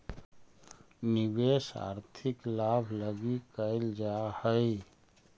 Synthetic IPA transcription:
nibesa̰ɾt̪ʰɪklabʱləɡikəɪld͡ʒahəɪ

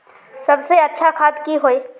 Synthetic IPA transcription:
sɐbseɐtːʃʰakʰaːt̪kiɦoːeː

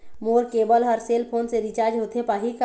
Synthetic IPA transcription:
moːɾkeːbəlɦəɾseːlpʰoːnseɾit͡ʃaːɾd͡ʒɦoːt̪ʰepaɦik

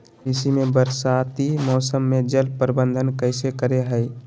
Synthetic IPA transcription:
ɪsimẽbəɾsaːt̪imɔːsəmːẽd͡ʒəlpəɾɪbə̃nd̪ʱənkəɪsekəɾeɦəɪ

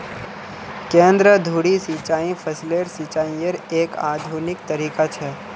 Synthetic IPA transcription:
kẽːnd̪ɾəd̪ʱuːɽisit͡ʃaːĩpʰəsleɾsiːt͡ʃaːĩəɾeːkaːd̪ʱuːnɪk̚t̪əɾiːkat͡ʃʰɛː

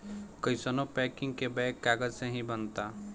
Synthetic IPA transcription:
kəjsənopɛkĩŋɡ̚kebɛkːaɡəd͡ʒsẽɦĩbənt̪a

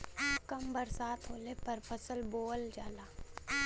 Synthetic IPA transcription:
kɐmbɐɾsaːt̪ʰɦoːlepɐɾpʰɐsəlboːld͡ʒaːlaː

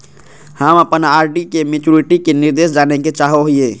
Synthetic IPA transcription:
həməpənaːɾɖikemit͡ʃuɾiʈikeniɾd̪eːsd͡ʒaːneket͡ʃaːɦoɦie

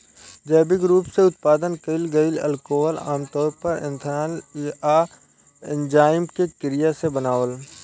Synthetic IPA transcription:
d͡ʒəːbɪkɾuːpseʊt̪̚paːd̪ənkəɪlɡəɪlə̰lkoːɦəla̰ːmt̪ɔːɾpɐɾɪ̰̃nt̪ʰaːna | ɪnd͡ʒaːɪmkekɪɾɪjasebənaːʋəl

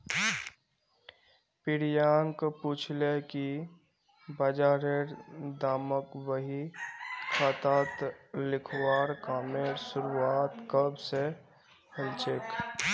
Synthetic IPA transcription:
pɪɾjaːŋkput͡ʃʰleki | bəd͡ʒaːɾeɾd̪aːməkwəɦi | kʰat̪aːt̪lɪkʰwaːɾkaːmeɾsʊɾuaːt̪kəbse | həlt͡ʃek

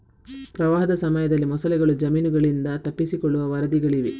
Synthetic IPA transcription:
pɾɐʋaːɦɐd̪ɐsɐmɐjɐd̪ɐlːimɔsɐlɛɡɐɭud͡ʒɐmiːnuɡɐɭind̪ɐt̪ɐpːisikɔɭːuʋɐʋɐɾɐd̪iɡɐɭiʋe

